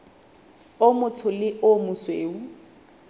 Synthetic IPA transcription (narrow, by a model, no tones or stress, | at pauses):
omʊtʰʊlɪʔʊmʊsweːu